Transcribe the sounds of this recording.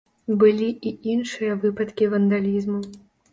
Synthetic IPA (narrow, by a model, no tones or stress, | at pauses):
bɨlʲiiinʂɨjɐvɨpɐt̪kʲivɐnd̪alʲizmu